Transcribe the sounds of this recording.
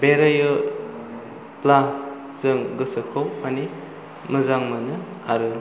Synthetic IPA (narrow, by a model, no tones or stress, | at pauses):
beɾajɯ | pla | zɯŋɡɯsəkʰawmani | məzaŋmɯnɯ | aɾɯ